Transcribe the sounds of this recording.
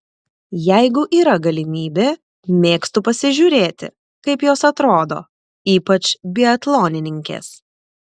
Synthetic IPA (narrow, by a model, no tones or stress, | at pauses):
jæɪɡʊʔiːɾɐɡɐlʲɪmʲiːbʲeː | mʲeːkst̪ʊpɐsʲɪʒʲuːɾʲeːt̪ʲɪ̰ | kɐɪpjoːsɐt̪ɾoːd̪o̰ː | iːpɐt͡ʃʲbʲɪɐt̪lˠoːnʲɪnʲɪŋʲkʲḛːs